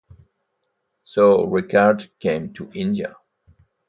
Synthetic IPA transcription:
soɹɪkʰaɹdkʰẽɪ̃mtʰuʔɪ̃ndiə̰

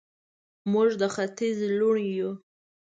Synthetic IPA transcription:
muʐd̪əxat̪izluɳju

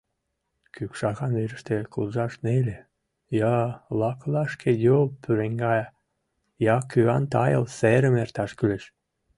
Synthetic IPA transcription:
kykʃɑɣɑnveɾəʃt̪ekulʒɑʃnelʲe | jɑlɑklɑʃkʰed̪ʲolpʰyɾeŋɡɑj | jɑkyɑnt̪ɑjəlseɾə̆mert̪ɑʃkyleʃ

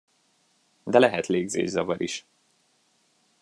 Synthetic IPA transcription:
d̪ɛlɛɦɛt̪leːɡzḛːʒzɒvɒɾḭʃ

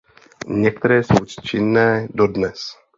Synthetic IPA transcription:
ɲɛk̚t̪ɛɾɛːsowt͡ʃɪnːɛːdodnɛs

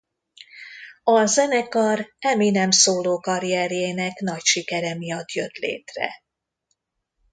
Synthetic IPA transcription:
ɒzɛnɛkɒrɛminɛmsoːloːkɒɾijɛɾjeːnɛknɒcʃikɛɾɛmijɒt̪jøt̪lḛːt̪rɛ̰

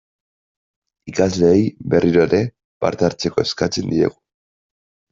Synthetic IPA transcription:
ikazle̞ːjbe̞rʔiɾo̞eɾe̞ | ba̰ɾt̪aɾt͡se̞ko̞e̞skat͡se̞nd̪ie̞̰ɣu

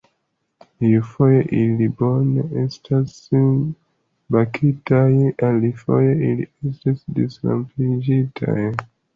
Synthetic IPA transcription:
jufojeʔiliboneestʰas | bakʰitajanlifo̰jeiliestasdisla̰mpid͡ʒitʰa̰j

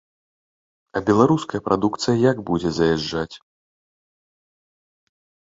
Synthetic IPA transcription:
ɐbʲɛlˠaɾuskɐjɐpɾʔad̪ukt̪sɨjɐjaɡbud͡zʲɛzɐjaʐːat͡sʲ

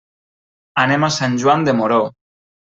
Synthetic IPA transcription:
anemasanʲʒwand̪emoɾo

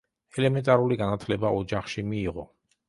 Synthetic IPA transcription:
ɛlɛmɛnt̪ʼaɾuliɡanat̪ʰlɛbaɔd͡ʒaχʃimiːʁɔ

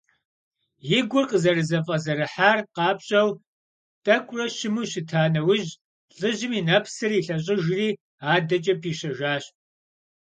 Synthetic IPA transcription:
jɪɡʷʊrqʼəzɐrɨzɐfʼɐzɐɾɨħaːrqɑːpɕʼɐw | tʼɐkʷʼrɐɕɪmuɕɪtʰaːnɐwʊʑ | ɬʼɨʑɪmiːnɐpʰsɨriːɬɐɕ̬ʼɪʒriː | aːdɐt͡ʃʼɐpʰiːɕɐʒaːɕ

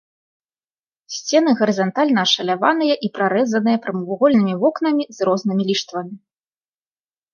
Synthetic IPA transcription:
sʲt͡sʲɛn̪ɨɣɐɾɨzant̪alʲnɐːʂɐlʲavanɨjɐʔipɾaɾɛzɐnɨjɐpɾɐmɨvuɣɔlʲnɨmʲivɔkn̪ɐmʲizrɔznɨmʲilʲiʂt̪vɐmʲi

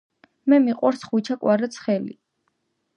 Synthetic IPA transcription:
mɛmiqʼwaɾsχwit͡ʃʰakʼwaɾɛt̪sʰχɛlḭ

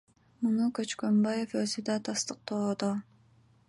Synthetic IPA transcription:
munukøt͡ʃkømbajeføzyd̪ɑt̪ʰɑst̪ɯq̚t̪od̪o

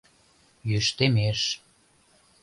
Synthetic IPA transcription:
jyʃt̪emeʃ

